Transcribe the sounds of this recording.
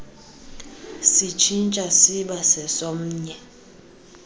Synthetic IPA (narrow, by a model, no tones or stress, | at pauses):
sit͡ʃʰint͡ʃʼasiɓasɛsom̩ːɲɛ